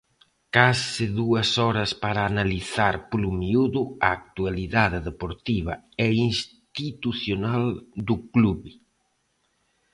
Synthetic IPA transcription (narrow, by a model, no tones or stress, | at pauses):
kasɪðuɐsɔɾɐspaɾaːnaliθaɾplumiuðʊaːk̚t̪ualiðaðɪðepoɾt̪iβɐ | ɛins | t̪it̪uθjonald̪ʊkluβɪ